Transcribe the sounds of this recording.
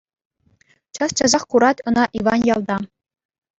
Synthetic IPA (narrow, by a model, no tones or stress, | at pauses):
t͡ɕɑst͡ɕɑzɑχkuɾɑtʲɤ̆nɑʔiʋɑnjɑlˠd̪ɑ